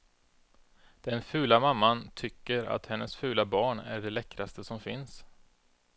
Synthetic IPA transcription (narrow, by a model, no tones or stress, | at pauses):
d̪̥ɛnfʉ̟ːlamamːant̪ʰʏkːəɾa̰t̪hɛnːəsfʉ̟ːlabɑːɳæ̰ɖɛlɛkːɾast̪əsɔmfɪns